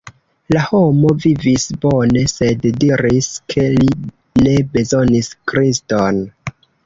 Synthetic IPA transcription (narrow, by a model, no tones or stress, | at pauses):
laho̞mo̞vivisbo̞ne̞se̞ddiɾiskʰe̞li | ne̞be̞zoniskɾiston